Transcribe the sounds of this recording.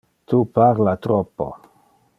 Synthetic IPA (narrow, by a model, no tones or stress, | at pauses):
tupaɾlatɾopo̰